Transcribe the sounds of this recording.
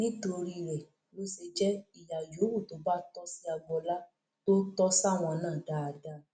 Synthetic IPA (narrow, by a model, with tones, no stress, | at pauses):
nĩ˦to˧ɾi˧ɾɛ˨ | lo˦se˧d͡ʒɛ˦i˨ja˨jo˨˦wu˦˨to˨˦ba˦tɔ˦si˦a˧bɔ˧la˦ | to˦tɔ˦sa˦˨w̃ɔ̃˧nãː˦˨da˦a˧da˦